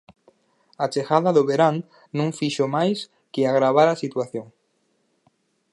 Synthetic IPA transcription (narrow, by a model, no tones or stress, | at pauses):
at͡ʃexaðaðoβeɾaŋ | nũŋfiʃomajs | keaɣɾaβ̞aɾasit̪waθjoŋ